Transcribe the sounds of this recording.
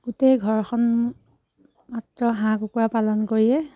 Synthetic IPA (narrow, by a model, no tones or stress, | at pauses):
ɡ̥utejɡʱɔɹxʰɔn | matɹɔɦãkukuɹapalɔnkoɹiɛ